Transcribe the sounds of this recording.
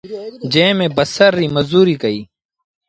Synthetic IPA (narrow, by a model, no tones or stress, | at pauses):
d͡ʒẽːmẽːbɐsəɾːiːməzuːɾiːkɐiː